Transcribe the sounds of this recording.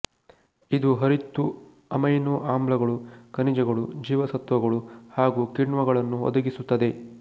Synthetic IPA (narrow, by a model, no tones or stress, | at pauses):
id̪uɦɐɾit̪ːu | ɐmɐjnuːʔaːmblɐɡɐɭukɐnid͡ʒɐɡɐɭud͡ʒiːʋɐsɐt̪ʋɐɡɐɭuhaːɡuːkiɳʋɐɡɐɭɐnːuɔ̰d̪ɐɡisut̪ːɐd̪e̞